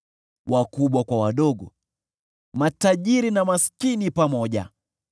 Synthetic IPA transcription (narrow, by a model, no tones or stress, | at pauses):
wʔakuɓwakwawaɗɔɡɔ̰ | mataʄiɾinamaskinipamɔʄa̰